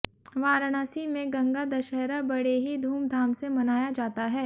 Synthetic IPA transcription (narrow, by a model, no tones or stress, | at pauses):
ʋaːɾɽ̃aːsimẽɡɐ̃ŋɡad̪ɐʃɛɦɾabɐɽeɦid̪ʱuːmd̪ʱaːmsemɐnaːjad͡ʒaːt̪aɦɛː